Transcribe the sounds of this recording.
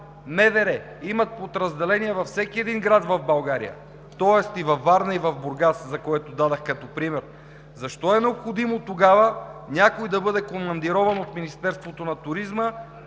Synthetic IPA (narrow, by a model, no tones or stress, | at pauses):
mɛvɛɾɛ | imɐt̪̚pot̪ɾɐzd̪ɛlɛniɛvɐfsɛkiɛd̪inɡɾadt̪vɐvbɐlˠɡaɾḭjə̰ | t̪ɔɛst̪ivɐfːaɾnɐivɐvboɾɡaszɐkoɛt̪od̪ad̪ɐxkɐt̪ɔpɾimɛɾ | zɐʃt̪ɔɛnɛopxod̪imot̪oɡavənʲakojd̪ɐbɤd̪ɛkomɐnd̪iɾɔvɐnot̪minist̪ɛɾst̪vot̪onɐt̪ʊɾizmə